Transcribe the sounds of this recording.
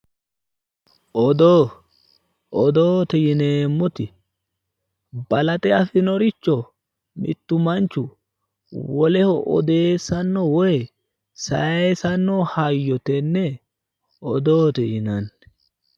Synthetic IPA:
ʔɔd̪o | ʔɔd̪oːt̪ɛjɪneːmːɔt̪ɪ | bɐlɐt̪ʼɛɐfɪnɔɾɪt͡ʃːɔ | mɪ̰t̪ːʊmɐnt͡ʃːʊ | wɔlɛhɔʔɔ̰d̪e̞ːsɐnːɔwɔj | sɐ̰esɐnːɔhɐjːɔt̪ɛnːɛ | ɔd̪oːt̪ɛjɪnɐn

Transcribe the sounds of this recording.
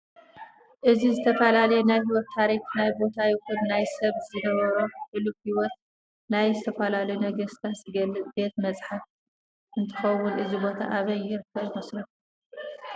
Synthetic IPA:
ʔɨzizɨt̪ʰɐfɐlalɐjenajɦiwɔt̪ʰːaɾiknajbo̞t̪ʰajɪkunːajsɐβzɨnɐβɐɾoħɨlukhiwɔt̪̚ | najzɨt̪ʰɐfɐlalɐjunɐɡɐst̪ʰatɨbe̞t̪mɐt͡sʼħaf | ʔɨnt̪ʰɨ̥xɐwːʊnʔɨzibo̞t̪ʰa̰ʔaβɐjːɪɾɨkʰːɐβmɐslɐf

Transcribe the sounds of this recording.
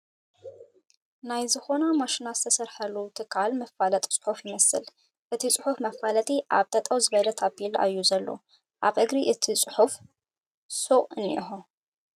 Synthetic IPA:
najzɨxo̞namaʃinazɨt̪ʰɐsɐɾħɐlut̪ʰɨkʰːalmɐfːalɐt̪ʼsʼɨ̥ħufjɪmɐsɨ̰l | ʔɨt̪ʰit͡sʼɨħufmɐfalɐt̪ʼiʔa̰βt̪ʰʼɐt̪ʼɐwzɨβɐlɐt̪ʰabilʔa̰jːuzɐlːo̰ | ʔaβʔɨɡɾiʔɨt̪ʰit͡sʼɨħuf | soʔʼɨnḭʔḭxo

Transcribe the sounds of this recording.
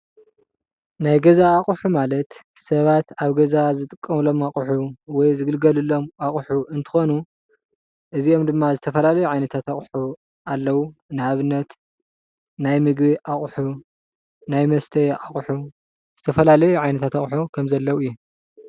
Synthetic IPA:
najɡɐzaːχʼħumalɐt̪ | sɐβat̪aβɡɐzazɨt̪ʼɨkʼːɐmlo̞maχʼħuwɔjzɨɡɨlɡɐlɨlːo̞maχʼħuɨnt̪ʰɨ̥xo̞nu | ʔɨzio̞md̪ɨmːazɨt̪ʰɐfɐlalɐjuʕajnɐt̪ʰat̪aχʼħu | alːɐwunɨhaβɨnːɐt̪ | najmɨɡbiʔaχʼħu | najmɐst̪ʰɐjʔaχʼħu | z̥ɨt̪ʰɐfɐlalɐjuʕajnɐt̪ʰat̪aχʼħukʰɐmzɐlːɐwuɨjːu

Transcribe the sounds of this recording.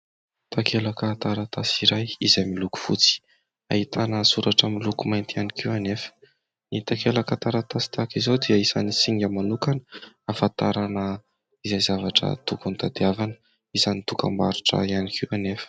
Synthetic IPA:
t̪akʰelakat̪aɾat̪asiɾajizajmiluku̥fṵt͡si̥ | a̰hit̪anəsuɾaʈ͡ʂəmilukumajnt̪ianikiwanefə̥ | nit̪akelakat̪aɾat̪asi̥t̪akizod̪eəisanisiŋɡʲəmanukanə | afant̪aɾanə | izajzavaʈ͡ʂə̰t̪ukunt̪ad̪iavanə̥ | izanit̪uka̰mba̰ɾiʈ͡ʂə̰ianikʰiwanefə̥

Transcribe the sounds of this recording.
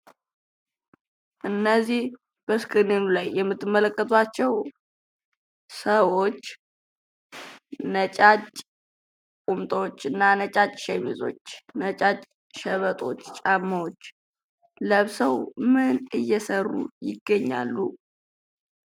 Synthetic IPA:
ʔɨnːəzih | b̥əskʼɨnenulajːɛmːɨt̪ːɨmːələkʼːət̪ʰwat͡ʃːɛw | səwot͡ʃː | nət͡ʃʼat͡ʃʼ | kʼumt̪ʼəwot͡ʃːɨnːanət͡ʃʼat͡ʃʼʃɛmizo̞̰t͡ʃːnət͡ʃʼat͡ʃʼ | ʃəβət̪ʼo̞t͡ʃːt͡ʃʼamːəwot͡ʃː | ləβsəwmɨnɨjːɛsərːṵjɪɡːəɲːa̰lːu

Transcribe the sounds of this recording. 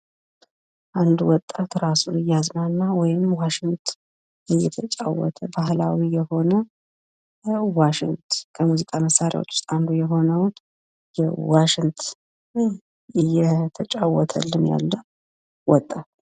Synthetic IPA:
ʔand̪uwɔt̪ʼːat̪ɾasunɨjazmanːawɔjɪnmwaʃɪŋt̪ʰ | ʔɨjːɛt̪ʰət͡ʃʼa̰wːɔ̰t̪ʰəbahlawijɛho̞nə | waʃɪŋt̪kʰəmuzikʼaməsːaɾɪja̰wo̰t͡ʃːwʊst̪ʼand̪ujɛɦo̞nəwn | jɛwaʃɪŋt̪ʰ | ɨjɛt̪ʰət͡ʃʼawɔt̪ʰə̰lːɨnja̰lːə | wɔt̪ʼːat̪

